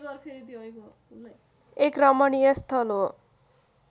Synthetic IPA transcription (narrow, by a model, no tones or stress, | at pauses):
ɡʌɾpʰeɾid̪oʌjko | un | ekrʌmʌniest̪ʰʌlɦo